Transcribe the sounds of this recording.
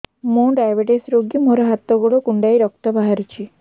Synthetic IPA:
mũɖajbeʈesɾoɡimoɾɔɦat̪ːɔɡoɽɔkuɳɖajɾɔk̚t̪ɔbaɦaɾut͡ʃʰi

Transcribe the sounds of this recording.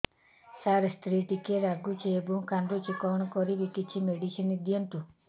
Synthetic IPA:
saɾst̪ʰɾiʈikeɾaɡut͡ʃʰeebukanɖɾut͡ʃikɔwɳɔkɔɾibikit͡ʃʰimeɖisinid̪ijɔnt̪u

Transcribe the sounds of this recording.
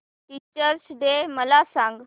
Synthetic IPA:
ʈit͡ɕəɾsɖ̪eməlasãŋɡ

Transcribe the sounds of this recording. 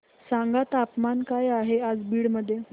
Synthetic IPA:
saŋɡat̪apmankajaɦead͡zbiːɽməd̪ʱːje

